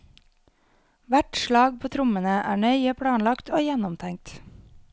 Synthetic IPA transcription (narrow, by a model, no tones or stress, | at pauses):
ʋæʈʃɭɑːɡpʰoːt̪ʰɾʊmənəʔæːɳœʏəpʰɽɑːnlɑkt̪oːjɛnɔmt̪ʰæŋ̚t̪